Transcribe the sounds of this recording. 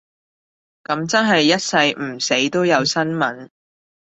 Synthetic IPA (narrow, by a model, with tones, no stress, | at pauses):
kɐ˨˥mt͡sɐ˥nɦɐ˨jːɐ˥t̚sɐ˧jm̩˨˩se˨˥jt̪o˥wjɐ˨˧wsɐ˥nmɐ˨˥n